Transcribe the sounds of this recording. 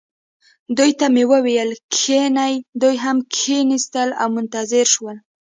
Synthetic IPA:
d̪ujt̪amewəwejəlkʰenajd̪ujɦamkʰenist̪əla̰wmʊnt̪azɪɾʃwəl

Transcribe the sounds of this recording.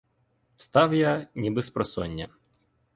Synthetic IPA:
wst̪ɑwjanʲibɪspɾɔsɔnʲːɐ̰

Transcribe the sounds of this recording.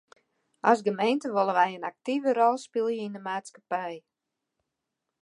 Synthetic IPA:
ʔasɡəmejntəʋolˠəʋɛjənak̚tivəɾɔlˠspilˠjəindəmaːtskapɛj

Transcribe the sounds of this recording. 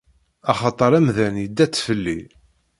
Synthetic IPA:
ɑχɑt̪ˤəɾˤæmðænjəd̪ːæt͡sːfəlːi

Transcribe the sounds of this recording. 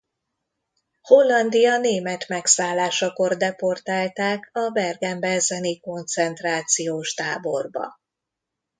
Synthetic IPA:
ho̞lːɒnd̪ijɒneːmɛt̪mɛksaːlːaːʃɒko̞rd̪ɛpo̞rt̪aːlt̪aːkɒbɛrɡɛmbɛzɛniko̞nt̪sɛnt̪raːt̪sijoːʃt̪aːbo̞rbɒ̰

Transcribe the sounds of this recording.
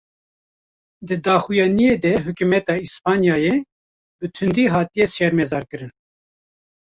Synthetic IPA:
d̪ɨd̪ɑːxujɑːnijeːd̪ɛɦukumɛt̪ɑːispɑːnjɑːje | bɨt̪ʰɨnd̪iːɦɑːt̪ijɛsɛɾmɛzɑːɾkɨɾɨn

